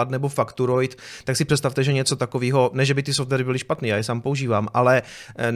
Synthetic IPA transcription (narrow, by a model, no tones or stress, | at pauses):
at̪nɛbofakt̪uɾojt̪t̪aksɪpr̥ɛtst̪aft̪ɛʒɛɲɛt͡so̞t̪akoviːɦo̞nɛʒɛbɪt̪ɪsoft̪vɛɾɪbɪlɪʃpat̪niːjaːjɛsaːmpo̞uʒiːvaːmʔalɛ